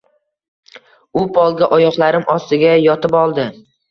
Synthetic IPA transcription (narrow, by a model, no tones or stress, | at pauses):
ʊpʰɒlˠɡʲaʔɒjɒqlˠaɾɪmʔɒst̪ɪɡʲajɒt̪ɪpɒlˠd̪ɪ